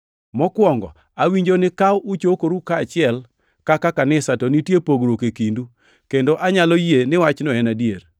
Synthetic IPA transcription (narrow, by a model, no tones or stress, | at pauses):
mɔkwɔŋɡɔ̰ | awiɲd͡ʒonɪkawʊt͡ʃokoɾukaːt͡ʃɪɛl | kakakanɪsatonitjepoɡɾokekindu | kendoʔaɲalɔjenɪwat͡ʃnoɛnadjer